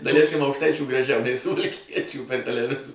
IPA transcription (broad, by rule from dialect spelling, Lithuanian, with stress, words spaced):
dɐˈlʲæɪsʲkʲɪm ɐʊkʃˈtɐɪt͡ʃʲuː ɡrɐˈʒʲɛʊ nʲɛɪ sʊʋɐlʲˈkʲiɛt͡ʃʲuː pʲɛr tʲɛlʲɛˈʋʲɪzoː